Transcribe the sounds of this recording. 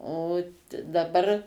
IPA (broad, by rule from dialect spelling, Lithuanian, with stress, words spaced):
oː dɐˈbɐr